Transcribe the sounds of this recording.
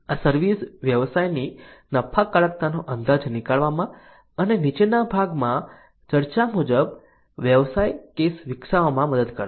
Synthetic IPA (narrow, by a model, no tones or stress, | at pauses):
asəɾʋisʋjəʋsajninəpʰakəɭət̪̚nanoʔənd̪ad͡ʒnikaɭʋamã | ənenit͡ʃenabʱaɡmã | t͡ʃəɾt͡ʃamud͡ʒəb | ʋjəʋsajkesʋɪksaʋamãməd̪əd̪kəɾ